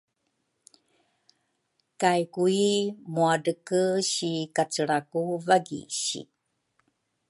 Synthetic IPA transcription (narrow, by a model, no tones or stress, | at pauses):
kajkuimuaɖəkəɕikat͡səɭakuvaɡḭɕḭ